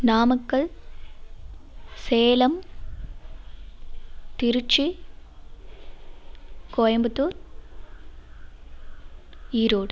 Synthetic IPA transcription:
naːmɐkːɐɭ | seːlɐm | t̪ɪɾɯt͡ʃːi | kojɐmbɐt̪ːuːɾ | iːɾoːɽ

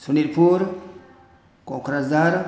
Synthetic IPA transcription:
suniɾpuɾ | kokuɾazaɾ

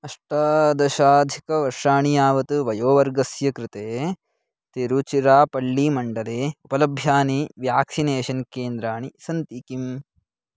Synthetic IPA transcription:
ɐʂʈɐd̪ɐʃaːd̪ʱikɐʋɐɾʂaːɳijaːʋɐt̪uʋɐjoːʋɐɾɡɐsjɐkɾɪt̪eː | t̪eɾut͡ʃiɾaːpɐɭːimɐɳɖɐleːupɐlɐbʱjaːniʋjaːksineːʃɐnkeːnd̪ɾaːɳisɐnt̪ikim

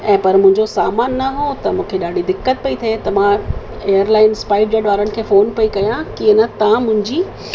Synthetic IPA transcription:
ɛ̃ːpɐɾmʊ̃ɦɪ̃ɲd͡ʑosaːmaːnːɐɦot̪ɐmũːkʰeɗaːɖʱid̪ɪkːət̪̚pɐit̪ʰet̪ɐʋã | eːjəɾlaːɪnspaːɪɖ̚d͡ʑɐːɖʋaːɾəɽnɪ̆kʰeːfoːnpɐikɐjãkiːɐnɐt̪ɐãmʊ̃ɦɪ̃ɲd͡ʑiː

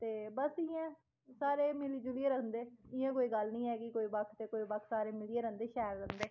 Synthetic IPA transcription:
t̪eːbəsɪjɛ̃ː | saːɾeːmɪlid͡ʒʊlieːɾəkʰnd̪eːɪjãːkoːiːɡəlnĩːɦɛːkɪkoːiːbəkʰt̪eːkoːiːbəkʰsaːɾeːmɪlɪeːɾə̃nd̪eːʃɛːəɾːə̃nd̪eː

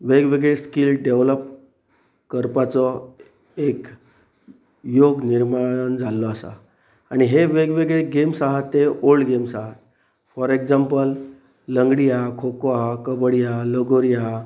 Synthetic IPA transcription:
ʋeɡʋeɡɭeskilɖeʋləp̚ | kəɾpat͡sɔ | ek | joɡniɾmand͡zʱalːɔəsa̰ | aɽ̃iɦeʋeɡʋeɡɭeɡemsaɦat̪ːeolɡemsaɦat̪̚ | fɔɾekd͡zampəlː | əŋɡɽijakʰokakəbəɽijaləɡoɾija

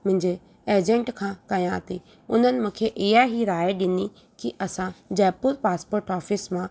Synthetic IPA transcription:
mʊ̃ɦɪ̃ɲd͡ʑe | eːd͡ʑə̃ɳʈkʰãkɐjãt̪e | ʊn̤ənɪ̆mũːkʰeʔɪɦaɦiɾaːeɗɪni | kiʔɐsãd͡ʑɛːpʊɾpaːspoːɾʈɔːfɪsmã

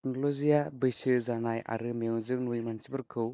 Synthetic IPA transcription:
nlozijabɯjsɯzanaja̰ɾɯmijɯŋzɯŋnujmansibɯɾkʰɯw

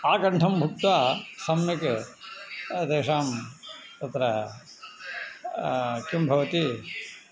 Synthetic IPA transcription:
aːkɐɳʈʰɐmbʱuk̚t̪ʋaːsɐmjik | d̪eːʂaːmt̪ɐt̪ɾɐ | kumbʱɐʋɐt̪i

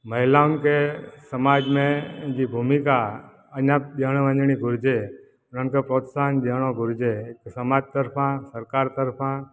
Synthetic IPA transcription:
məɦilamkesəmad͡ʒmẽd͡ʒibʱumika | ənjaɗəɽ̃ʋãɲd͡ʒɳ̃iɡʱuɾd͡ʒe | ɾəɳkepɾot̪sandəɽ̃õɡʱuɾd͡ʒeksəmad͡ʒt̪əɾpʰãsəɾkaɾt̪əɾpʰã

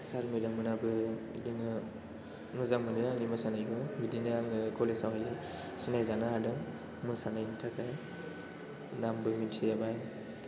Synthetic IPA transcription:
saɾmidamɯnabɯdɯŋɯ | ŋɯzamɯnɯnanimɯsanajɡɔbidinaaŋɯkʰɔlesawɦajzɯ | sinajzanaɦadɯŋ | musanajnɯtʰakaj | nambɯmintʰijabaj

